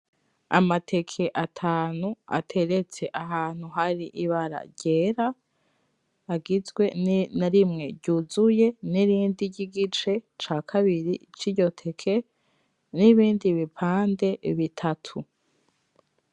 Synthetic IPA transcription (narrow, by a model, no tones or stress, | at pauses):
a̰matʰe̞kʰe̞ʔatʰaːnua̰tʰe̞ɾe̞t͡se̞ʔaɦaːn̥huɦaɾiʔiβaɾa̰ɾɟe̞ːɾa | ɡizɡwe̞nnaɾimŋe̞ɟuzuje̞niɾiːndiɟiɡit͡ʃe̞t͡ʃaːkʰaβiɾḭt͡ʃiɾɟo̞tʰe̞kʰe̞ | niβiːndiβipʰaːnde̞βitʰatʰu